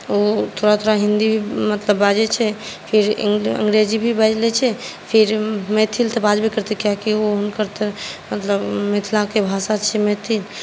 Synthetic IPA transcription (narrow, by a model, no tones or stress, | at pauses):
ot̪ʰoɽat̪ʰoɾaɦĩnd̪ibʱimət̪ləbːad͡ʒɛt͡ʃʰɛpʰɪɾ̰ə̰̃ŋɡɾed͡ʒibʱibɛd͡ʒlet͡ʃʰɛpʰɪɾmɛt̪ʰilt̪ɔbad͡ʒbʱikəɾt̪ekjakioɦʊnkəɾt̪emət̪ləbmet̪ʰlakebʱasat͡ʃʰɛmɛːt̪ʰil